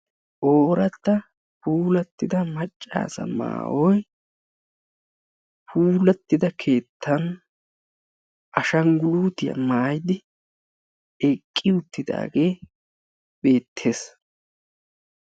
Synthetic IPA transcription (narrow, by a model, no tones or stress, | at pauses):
ʔoːɾɐt̪ːɐ | puːlɐt̪ːɪd̪ɐmɐt͡ʃʼːa̰ːsɐ̰ma̰ːwɔj | pʰuːlɐt̪ːɪd̪ɐkʰe̞ːt̪ʰːɐn | ʔɐʃɐŋɡʊluːt̪ɪjɐ̰maːjd̪ɪ | ɛkʼːɪʊt̪ːɪd̪a̰ːɡe̞ː | be̞ːt̪ʰːe̞ːs